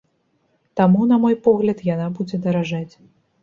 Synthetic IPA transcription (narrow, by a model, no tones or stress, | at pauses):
t̪amunɐmɔjpɔɣlʲɐt̪janabud͡zʲɛd̪ɐɾaʐat͡sʲ